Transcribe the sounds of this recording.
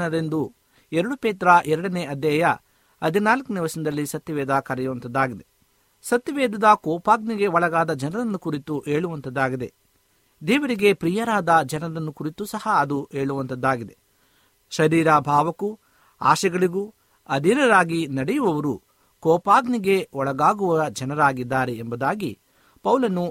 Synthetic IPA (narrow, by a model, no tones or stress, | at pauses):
nɐɾe̞nd̪u | ɛɾɐɽupeːt̪ɾɐʔɛɾɐɽɐneʔɐd̪jɐjɐ | ɐd̪ʱinaːlkuniʋɐsind̪ɐlːisɐt̪ːjɐʋɛːd̪akɐɾɛjuʋɐnt̪ɐd̪ːaːɡid̪e̞ | sɐt̪jɐʋɛːd̪ɐd̪ɐkɔːpaːɡniɡe̞ʋɔɭɐɡaːd̪ɐd͡ʒɐnɐɾɐnːukuɾit̪uʔeːɭuʋɐnt̪ɐd̪ːaːɡid̪e̞ | d̪ɛːʋɐɾiɡe̞pɾiːjɐɾaːd̪ɐd͡ʒɐnɐɾɐnːukuɾit̪usɐhɐɐd̪ue̞ːɭuʋɐnt̪ɐd̪ːaːɡid̪e | ʃɐɾiːɾabʱaːʋɐku | a̰ːʃɛɡɐɭiɡu | ɐd̪ʱinɐɾaːɡinɐɽɛjuʋɐʋɐɾu | kɔːpaːɡniɡe̞ɔɭɐɡaːɡuʋɐɐd͡ʒɐnɐɾaːɡid̪ːaːɾeːmbɐd̪aːɡi | pɐwlɐnu